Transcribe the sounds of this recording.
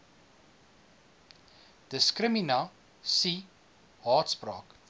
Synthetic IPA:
d̥əskrəmina | si | hɑːtsprɑːk

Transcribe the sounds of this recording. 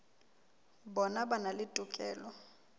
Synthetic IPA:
bɔnabanalɪtʼʊkʼɛːlɔ

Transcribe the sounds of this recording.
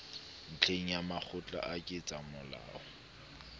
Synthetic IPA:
n̩t͡ɬʰeŋ̩jamak͡xʰʊt͡ɬʼa̰ʔakʼɪt͡sʼamʊla̰ːɔ

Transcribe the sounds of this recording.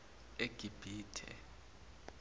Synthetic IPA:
eɡ̥ʱib̥ʱiːtʰɛ̰

